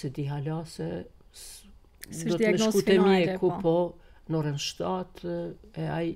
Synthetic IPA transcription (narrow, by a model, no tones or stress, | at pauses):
sɛd̪iɦalasɛ | d̪ɔmɛʃkut̪ɛmiɛkʰupɔ | nɔɾɛnʃt̪at̪ɛaj